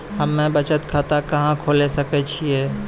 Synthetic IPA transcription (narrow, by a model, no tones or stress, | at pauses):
həmːẽbət͡ʃət̪kʰat̪akəɦãkʰolesəkɛt͡ʃʰiɛ